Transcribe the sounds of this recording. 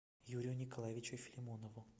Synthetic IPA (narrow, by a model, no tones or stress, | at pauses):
juɾʲɪjʊnʲɪkɐlˠajɪvʲɪt͡ɕʊfʲɪlʲɪmonəvʊ